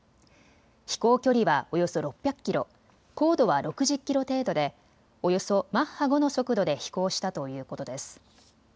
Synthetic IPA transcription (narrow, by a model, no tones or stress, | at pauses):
çi̥ko̞ːkʲo̞ɾʲiβao̞jo̞so̞ɾo̞pʲːjakɯ̥kʲːiɾo̞̰ | ko̞ːd̪o̞βaɾo̞kɯ̟ʑɨkʲːiɾo̞t̪e̞ːd̪o̞d̪e̞ | o̞jo̞so̞mãhaɡo̞no̞so̞kɯ̟d̪o̞d̪e̞çi̥ko̞ːɕi̥t̪at̪o̞jɯ̟ːko̞t̪od̪e̞sɨ̥